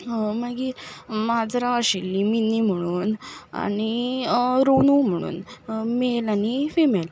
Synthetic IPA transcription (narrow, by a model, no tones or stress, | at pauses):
məɡimad͡zɾaəɕilːiminim̤əɽ̃uːna̰ñi | ɾonum̤əɽ̃ṵːnmelanifimel